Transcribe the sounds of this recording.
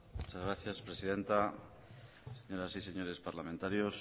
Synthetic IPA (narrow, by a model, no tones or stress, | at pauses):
mut͡ʃazɣɾaθjaspɾe̞siðe̞nt̪a | seɲo̞ɾasise̞ɲo̞ɾe̞spaɾlament̪aɾjos